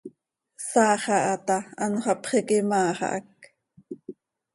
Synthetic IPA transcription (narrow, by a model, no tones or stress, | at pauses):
sɑːχɑʔɑt̪ɑɑnχɑpχikimɑːχɑ̰ʔɑ̰k̚